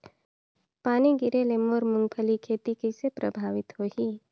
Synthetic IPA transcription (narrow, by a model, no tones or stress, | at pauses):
paːniɡɪɾeleːmoːɾmʊ̃ŋɡpʰəlikʰeːt̪ikisepɾəbʱaːʋɪt̪ɦoːiː